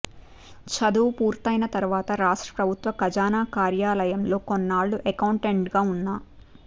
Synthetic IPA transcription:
t͡ʃɐd̪uːpuːɾt̪ɐjnɐt̪ɐɾʋaːt̪ɐɾaːʂʈɾɐ̥pɾɐbʱut̪ʋɐkɐd͡ʒaːnaːkaːɾjaːlɐjɐmlo̞ːkonːaːɭːuʔekɐwɳʈeɳʈɡaːunːaː

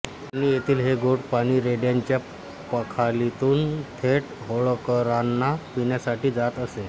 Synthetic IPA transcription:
añijet̪ʰiːlɦeɡoʈpaɽ̃iːɾeɖjaɲt͡ɕja | pəkʰalit̪uːnt̪ʰeʈɦoɭokəɾanːapiɳjasaʈiːd͡zat̪əse

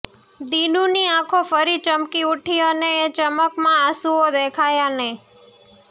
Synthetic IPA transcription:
d̪inũniãkʰofəɾit͡ʃəmkiuʈʰioneːt͡ʃəməkmãasuod̪ekʰajane

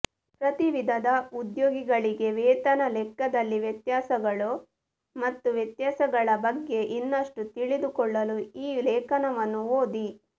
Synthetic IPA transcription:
pɾɐt̪iʋid̪ʱɐd̪ɐud̪joːɡiɡɐɭiɡe̞ʋɛːt̪ɐnɐlɛkːɐd̪ɐlːiʋjɐt̪jaːsɐɡɐɭu | mɐt̪ːuʋjɐt̪jaːsɐɡɐɭɐbɐɡːe̞ʔinːɐʂʈut̪iɭid̪ukɔɭːɐluiːlɛːkɐnɐʋɐnːuoːd̪i

